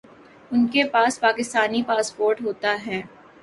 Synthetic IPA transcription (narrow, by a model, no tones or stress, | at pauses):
ʊnkepaːspaːkɪst̪aːnipaːspoːɾʈɦoːt̪aɦɛː